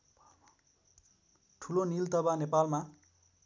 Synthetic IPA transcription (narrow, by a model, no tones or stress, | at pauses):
ʈʰulonilt̪ʌbanepalma